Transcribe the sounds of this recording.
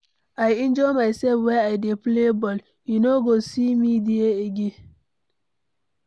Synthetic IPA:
ajĩnd͡ʒɔjmaɪsɛlfwɛaɪdeplebɔl | junoɡosimidieeɡen

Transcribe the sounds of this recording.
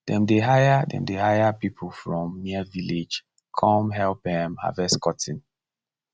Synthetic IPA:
dɛ̃mdeɦajadɛ̰̃mdehajapipʰl̩fɹɔ̃mːiəviled͡ʒ | kʰɔ̃mɦɛlp̚dɛmha̰vɛskɔtʰĩn

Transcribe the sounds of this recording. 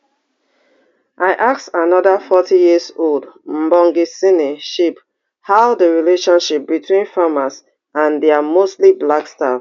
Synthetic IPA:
ʔaɪʔaksanɔdafɔtijizoldm̩bɔ̃ŋɡisiniʃip | haʊdəɹileʃɔ̃nʃip̚bitʰwĩnfamas | ãndɛamostliblakstaf

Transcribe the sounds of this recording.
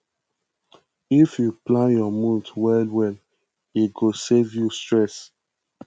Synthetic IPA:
ifjuplãnjɔmũntwɛldwɛl | itɡosevjustɹɛs

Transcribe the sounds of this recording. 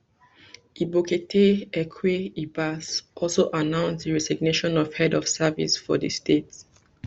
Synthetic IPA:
iboketʰeɛkʰweibasʔɔlsoʔanãʊ̃nsdəɹɛsiɡneʃɔ̃nɔv̥hɛdɔfsavḭsfɔ̰də̰stet

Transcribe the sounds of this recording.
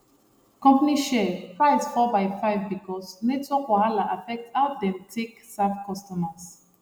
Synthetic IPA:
kɔ̃mpaniʃɛpʰɹaɪsfɔbaɪfaɪvbikʰɔsnetɔkwahalaʔafɛk̚tadɛ̃mtʰeksafkʰɔstɔmas

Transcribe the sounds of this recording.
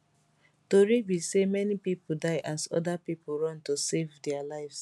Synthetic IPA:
toɹibisemɛnipipodaɪʔasɔ̰dapipoɹɔ̃ntosevdɛalaɪfs

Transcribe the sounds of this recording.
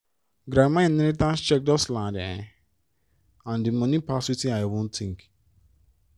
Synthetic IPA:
ɡɾamãnĩɾitãnst͡ʃɛk̚dɔslãndã | ãndimɔ̃nĩpaswitĩaɪwũnt̪ʰĩŋk

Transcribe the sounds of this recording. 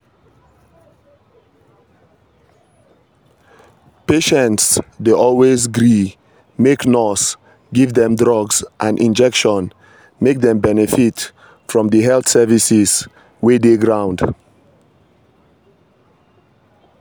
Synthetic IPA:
peʃɛ̃ntsdeʔɔlˠwezɡɹi | meknɔs | ɡivdɛ̃mdɹɔɡzʔãnʔḭ̃nd͡ʒɛkʃɔ̃n | mek̚ðɛ̃mbɛnɛfit | fɹɔ̃mdəɦɛlθsɛvisiz | wedeɡɹãʊ̃nd̥

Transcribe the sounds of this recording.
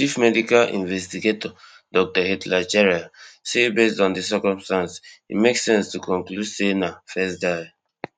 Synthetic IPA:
t͡ʃifmɛdikalʔḭ̃nvɛstiɡetɔ | dɔk̚tɔhitlat͡ʃɛɹasebestɔ̃ndis̬ɛkɔ̃mstãnshḭmeksɛ̃nstukɔ̃ŋklu̥senafɛsdaɪ

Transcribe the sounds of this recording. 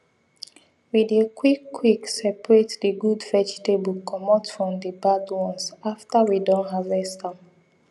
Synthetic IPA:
widekʰwikːwiksɛpɹetdəɡudfɛd͡ʒtebəlkʰɔmɔtfɹɔ̃mdəbadwɔ̃nsaftəwidɔ̃nɦavɛstãm

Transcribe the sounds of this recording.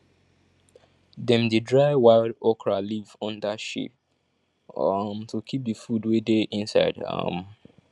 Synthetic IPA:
dɛ̃mdedɹaɪwaɪldɔkʰɹalivɔ̃ndaʃḭp̚ | mtʰukʰip̚dəfudwedeʔĩnsaɪda̰m

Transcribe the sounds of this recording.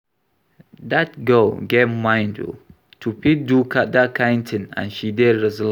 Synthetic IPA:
dat̚ɡəlɡevmãjndṵ | tʰupidukʰat̚dakʰãjntʰə̃nã̰nʃidɛɹɛzəl

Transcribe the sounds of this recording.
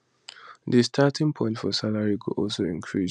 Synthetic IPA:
distʰatĩŋpʰɔ̃ɪ̃ntfɔsalaɹiɡo̰ʔɔlsoĩŋkʰɹi

